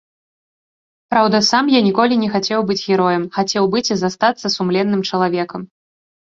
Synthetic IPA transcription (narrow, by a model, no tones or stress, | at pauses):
pɾawd̪ɐsamjanʲikɔlʲinʲɛxat͡sʲɛwbɨd͡zʲɣʲɛɾɔjɐmxat͡sʲɛwbɨt͡sʲizast̪at̪sːɐsumlʲɛnːɨmt͡ʂɐlˠavʲɛkɐm